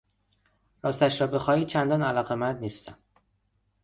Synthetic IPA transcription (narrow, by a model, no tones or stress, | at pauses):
ɾɒːst̪æʃɾɒːbe̞xɒːiːd̪̚t͡ʃʰænd̪ɒːnælɒːɣemænd̪niːst̪æm